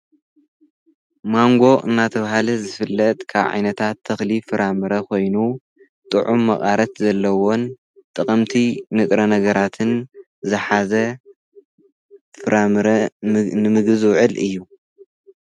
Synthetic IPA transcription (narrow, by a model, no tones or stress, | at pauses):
maŋɡo̞ʔɨ̰nːat̪ʰɐβaɦalɐzɨfɨlːɐt̪ʼkʰa̰βʕa̰jnɐt̪ʰat̪ʰːɐxlifɨɾamɨɾɐko̞jnu | t̪ʼɨʕumːɐχʼaɾɐt̪zɐlːɐwo̞n | t̪ʼɨχʼɐmt̪ʰinɨt̪ʼɾɐnɐɡɐɾat̪ʰɨn | zɨħazɐ | fɨɾʔamɾɐnɨmɨɡɨzwʊʕɨlɨ̰jːu